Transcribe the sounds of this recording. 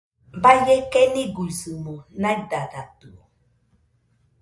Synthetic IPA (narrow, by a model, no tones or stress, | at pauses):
bajɛkɛniɡuizimɔnãidadat̪uɔ